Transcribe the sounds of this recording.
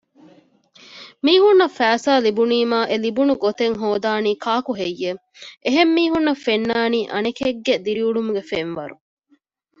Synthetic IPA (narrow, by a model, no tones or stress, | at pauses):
miːɦunːɐfæːsaːlibuniːmaːʔelibunuɡot̪eŋɦoːd̪aːniːkʰaːkuɦejːe | ʔeɦemːiːɦunːɐfenːaːniːʔɐnekeɡːed̪iɾiuɖumuɡefenʋɐɾu